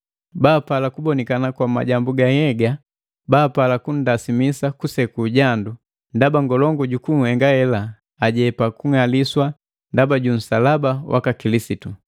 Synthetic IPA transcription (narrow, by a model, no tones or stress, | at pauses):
baːpalakubɔnɛkanakwama̰ɟambuɡahɛɡa | baːpalakun̩dasimisakusɛkuɟandu | ndabaŋɡɔlɔŋɡuɟukuŋ̩hɛŋɡahɛlaː | ɟɛpakuŋaliswa | ndabaɟun̩salabawʔa̰kakilisitu